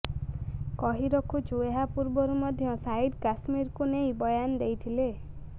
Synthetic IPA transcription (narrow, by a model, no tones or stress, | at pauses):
kɔɦiɾɔkʰut͡ʃʰueɦapuɾbɔɾumɔd̪ʱjɔsajɖkasmiɾkunejbɔjand̪ejt̪ʰile